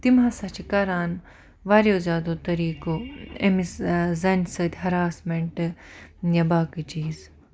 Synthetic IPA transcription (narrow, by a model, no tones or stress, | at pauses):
t̪imãsɐt͡ʃʰikɐɾaːn | ʋaːɾjoːzʲjaːd̪oːt̪ɐɾiːkoḛmiszɐnʲsɨt̪ʲɦɐɾaːsmeɳʈɨjɐbaːkɨt͡ʃiːz